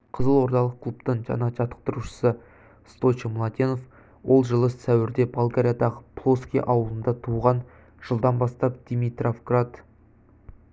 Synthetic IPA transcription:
qʰəzəlˠwo̞ɾt̪ɑlˠəq̚kʰlˠupt̪əɴʒɑ̰nɑʒɑt̪ə̥q̚t̪əɾuʃə̥sə | st̪o̞t͡ʃəmlˠɑd̪ʲino̞f | wo̞lˠʒəlˠəssæwɪɾd̪e̞balˠɡaɾʲijad̪ɑʁəpʰlˠoskʲiʔɑwlˠənd̪ɑt̪ʰuʁɑn | ʒ̥əlˠd̪ɑnbɑst̪ɑp̚d̪̥jmit̪rofɡrat̪

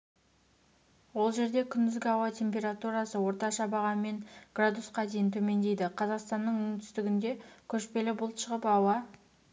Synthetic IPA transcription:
wo̞lˠʒe̞ɾd̪e̞kʲʰʏnd̪ʏzɡʲɪɑwɑt̪ʰʲe̞mpʲe̞ɾat̪uɾɑsəwo̞ɾt̪ɑʃɑbɑʁɑnme̞ŋɡ̥rad̪usqɑd̪e̞jɪnt̪ʰɵme̞nd̪e̞jd̪ɪqʰɑzɑqst̪ɑnːəɴʏnt̪ʰʏ̥st̪ɪɡʲɪnd̪e̞kʲʰɵʃpe̞lɪbʊlˠt̪ʃəʁəpɑwɑ

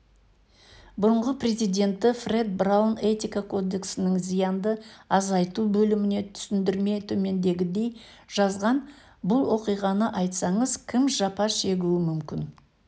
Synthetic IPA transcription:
bʊɾəɴʁəpre̞zijd̪ʲe̞nt̪ːɪfre̞d̪̚brawne̞t̪ijkakʰo̞d̪e̞ksɪnɪŋzijɑnd̪əɑzɑjt̪ubɵlɪmɪne̞t̪ʰʏ̥sɪnd̪ɪɾme̞t̪ʰɵme̞nd̪e̞ɡʲɪd̪e̞j | ʒɑzʁɑn | bʊlˠwo̞qijʁɑnəʔɑjt̪sɑɴəzkʲʰɪmʒɑpɑʃe̞ɡʲuɪmʏmkʲɪn

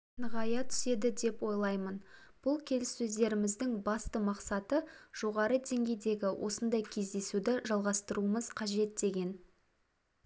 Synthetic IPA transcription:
nəʁɑjɑt̪ʰʏ̥se̞d̪ɪd̪e̞pwo̞jlˠɑjmən | b̥ʊlˠkʲʰe̞lɪsːɵzd̪e̞ɾɪmɪzd̪ɪŋbɑst̪əmɑqsɑt̪əʒ̥o̞ʁɑɾəd̪e̞ŋɡʲe̞jd̪e̞ɡʲɪwʔo̞̰sənd̪ɑjkʲʰe̞zd̪e̞sud̪ɪʒɑlˠʁɑst̪əɾuəməzqʰɑʒe̞t̪̚d̪e̞ɡʲe̞n

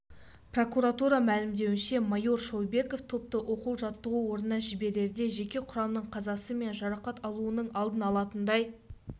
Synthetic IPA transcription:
pro̞kuɾat̪uɾɑmælɪmd̪e̞wɪnʃe̞mɑjo̞ɾʃo̞wbe̞ko̞ft̪ʰo̞p̚t̪əʔo̞quwʒɑt̪ːəʁuwo̞ɾnənəʒɪbe̞ɾe̞ɾd̪e̞ʒe̞kʲe̞qʰʊɾɑmnəɴqʰɑzɑsəme̞nʒɑɾɑqɑt̪ɑlˠuənəɴɑlˠd̪ənɑlˠɑt̪ənd̪ɑj

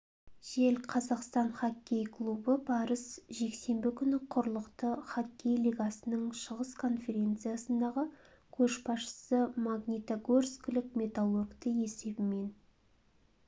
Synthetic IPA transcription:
ʒ̥e̞lqʰɑzɑqst̪ɑnχɑkʲːe̞jkʰlˠubəbɑɾəsʒe̞kse̞mbɪkʲʰʏnɪqʰʊɾlˠəqt̪əχakʲːe̞jlʲijɡasənəɴʃəʁəskʰo̞nfe̞ɾʲe̞nt̪sɨjasənd̪ɑʁə | kʲʰɵʃbɑsʃə̥səmaɡnʲit̪oɡorskʲɪlɪkmʲe̞t̪alˠorkt̪əe̞se̞bɪme̞n

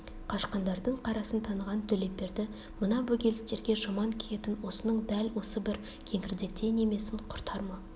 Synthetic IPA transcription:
qʰɑʃqɑnd̪ɑɾd̪əɴqʰɑɾɑsənt̪ʰɑnəʁɑnt̪ʰɵle̞p̚pːe̞ɾd̪ɪ | mənɑbɵkʲʰe̞lɪst̪e̞ɾɡʲe̞ʒɑmɑŋkʲʰije̞t̪ɪnwo̞sənəɴd̪ælwo̞səbɪɾ | kʲʰe̞ŋɪɾd̪e̞k̚t̪ʰe̞ne̞me̞sɪnqʰʊɾt̪ʰɑɾmɑ

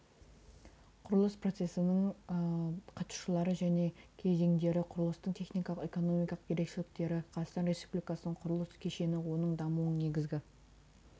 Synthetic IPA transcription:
qʰʊɾəlˠəspro̞t̪se̞sɪnɪɴ | qʰɑt̪u̥ʃəlˠɑɾəʒæne̞kʲʰe̞ze̞ŋd̪e̞ɾɪqʰʊɾəlˠəst̪əɴt̪ʰe̞χnijkɑlˠəqe̞ko̞no̞mijkɑlˠəq̚jʲʰe̞ɾe̞kʃɪlɪk̚t̪e̞ɾɪqʰɑt̪ɑst̪ɑnɾe̞spublijkɑsənəɴqʰʊɾʊlˠəskʲʰe̞ʃe̞nɪwo̞nəɴd̪ɑmuwəɴne̞ɡʲɪzɡʲɪ

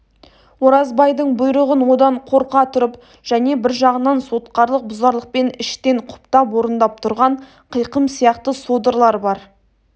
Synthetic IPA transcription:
woɾɑzbɑjd̪əɴbʊjɾəʁənwo̞d̪ɑɴqʰo̞ɾqɑt̪ʰʊɾəp | ʒ̥æne̞bɪɾʒɑʁənɑnso̞t̪̚qɑɾlˠəq̚bʊzɑɾlˠəq̚pe̞nɪʃt̪e̞ɴqʰʊ̥pt̪ɑpwo̞ɾənd̪ɑp̚t̪ʰʊɾʁɑɴ | qʰəjqəmsijɑqt̪əsod̪əɾlˠɑɾbɑɾ

